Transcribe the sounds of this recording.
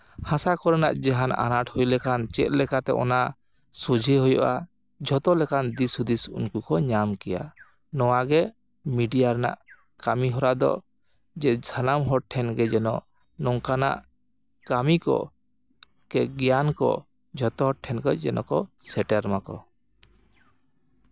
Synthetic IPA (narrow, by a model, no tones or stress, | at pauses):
hãsakɔɾɛna̰ʔd͡ʒɛɦana̰naʈhujlɛkant͡ʃɛ̰t̪̚lɛkat̪ɛ̰ʔɔ̰na | sud͡ʒʱiɦujɔʔa | d͡ʒʱɔt̪ɔlɛkand̪isud̪isṵnkukɔɲamkɛja̰ | nɔwaɡɛ | miɖijaɾɛna̰ʔ | kamiɦɔɾad̪ɔ̰ | d͡ʒɛd͡ʒʰʱanamɦɔʈʰɛnɡɛd͡ʒɛnɔ | nɔŋkana̰ʔ | kamikɔ̰ | kɛɡɛjankɔ̰ | d͡ʒʱɔt̪ɔɦɔʈʰːɛnɡɔd͡ʒɛnɔ̰kɔsɛʈɛɾmakɔ̰